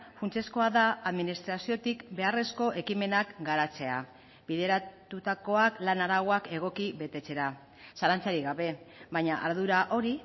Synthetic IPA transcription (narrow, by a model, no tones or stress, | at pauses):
funt͡se̞sko̞aðaaðminist̪ɾasio̞t̪ikbe̞are̞sko̞ʔe̞kime̞nakɡaɾat͡se̞a | biðe̞ɾat̪ut̪ako̞aklanaɾaɣoake̞ɣ̞o̞kiβe̞t̪e̞t͡se̞ɾa | salant͡saɾiɣaβe̞βaɲaʔaɾðuɾaʔo̞ɾi